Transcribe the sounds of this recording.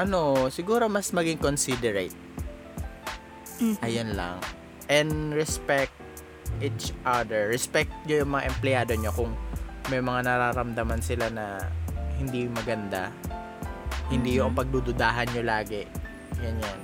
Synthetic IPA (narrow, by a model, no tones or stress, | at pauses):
ʔɐno̞sɪɡuːɾo̞mɐsmɐɡɪŋkonsid̪ɛɾet̪̚ | ʔɐjonla̰ŋ | ʔɛnd̪ɹɛspɛk̚t̪̚ | ʔit͡ʃʔad̪ɛɹːɛspɛk̚t̪̚ɲʊjʊŋmɐŋa̰ʔɛmplɪjaːd̪o̞ɲokʊŋmɐjmɐŋanɐɾaːɾɐmd̪ɐmansɪlanɐhɪnd̪imɐɡɐnd̪a̰ | hɪnd̪iːjoʔɐŋpɐɡ̚d̪ud̪ʊd̪aːɦɐnɲolaːɡɛ | ɡɐnjan